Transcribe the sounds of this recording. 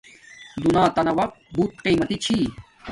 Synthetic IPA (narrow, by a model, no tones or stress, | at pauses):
d̪unãːt̪ɐnɐwɐq̚buːt̪qiːmɐt̪it͡ɕʰiː